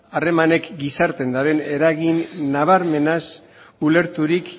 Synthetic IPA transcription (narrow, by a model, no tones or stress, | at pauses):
are̞mane̞kɡisaɾt̪e̞nd̪aɾe̞ne̞ɾaɣinːaβ̞aɾme̞nas | ule̞ɾt̪uɾik